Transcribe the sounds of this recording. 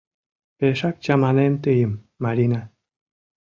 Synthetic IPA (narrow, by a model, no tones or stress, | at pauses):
peʃɑk̚t͡ɕamanemt̪ɨjəmː | aɾʲina